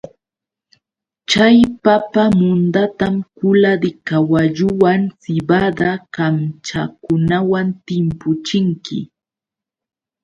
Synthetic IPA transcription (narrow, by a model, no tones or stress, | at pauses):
t͡ʃajpapamʊnd̪at̪amkʊlaɾɪkawaʎʊwaŋsɪbad̪akamt͡ʃa̰kʊnawant̪ɪmpʊt͡ʃɪŋkɪ̰